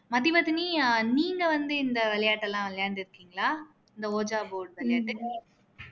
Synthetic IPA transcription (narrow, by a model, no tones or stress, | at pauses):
mɐðibɐt̪ːɪniniːŋɡɐʋɐnd̪ɯɪnd̪ɐʋɛlɐjaːʈːɐlãːʋɛɭɐjaːnd̪ɪɾɯkːiːŋɡɐɭaː | ɪnd̪ɐoːd͡ʒaːboːɾɖʋɛlɐjaːʈːɯ